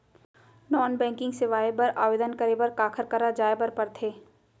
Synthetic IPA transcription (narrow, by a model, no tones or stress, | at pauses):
nɔːnbɛ̃ːŋkɪ̃ŋɡsɪʋaːebəɾaːʋeːd̪ənkəɾebəɾkaːkʰəɾkəɾad͡ʒaːebəɾpɐɾt̪ʰeː